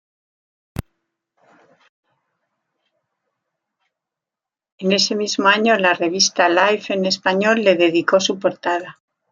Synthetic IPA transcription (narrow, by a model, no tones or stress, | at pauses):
e̞ne̞se̞mizmo̞aɲo̞lare̞β̞ist̪alajfe̞ne̞spaɲo̞lːe̞ðe̞ðiko̞supo̞ɾt̪aða